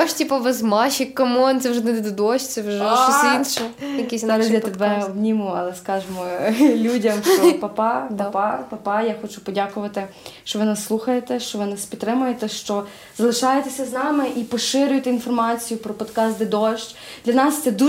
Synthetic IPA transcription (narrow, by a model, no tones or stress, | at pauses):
ɔʃtʲipɐʋɐzmɑʃɪkːɐmɔnt̪ɛwʒɛnɛd̪d̪ɐd̪ɔʃt͡ʃʲt͡ssɛwʒɛinʃɛjɐkʲiszɑɾɐsʲjɐt̪ebɛbnʲimʊɐlˠɛskɑʒemɔlʲudʲɐmʃt͡ʃɔpɐpɑpɐpɑpɐpɑjaxɔt͡ʃʊpɔdʲakʊʋɐt̪ɪʃt͡ʃɔʋɪnɐsːlˠuxɐjet̪ɛʃt͡ʃɔʋɪnɐspʲit̪ːɾɪmʊjet̪ɛʃt͡ʃɔ | zɐlˠɪʃɑjet̪esʲɐznɑmɪʔipɔʃɪɾʲʊjɪt̪einfɔrmɑt͡sʲijʊpɾɔpɔd̪kɑsd̪ed̪ɔʃt͡ʃ | d̪lʲɐnɑst̪sɛd̪u